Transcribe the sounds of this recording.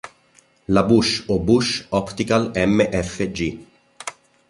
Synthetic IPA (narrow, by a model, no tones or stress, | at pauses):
labuʃobuʃɔpt̪ikalɛmːeʔɛfːed͡ʒi